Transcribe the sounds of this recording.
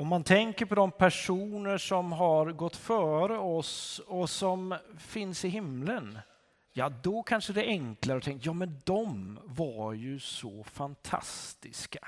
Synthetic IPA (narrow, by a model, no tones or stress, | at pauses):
ɔmːant̪ʰɛŋkəɾpʰɔd̪ɔmpʰæʂuːnəʂɔmɦaɾɡɔt̪ːfœːɾəɔsɔsɔmfɪnsɪɦɪmlən | jɑːd̪ɔkʰanʂəd̪ɛʔɛŋklaɾəɔt̪ʰɛŋk̪jɑːmɛnd̪ɔmvaɾjɵsɔfant̪ʰa̰st̪ɪskḁ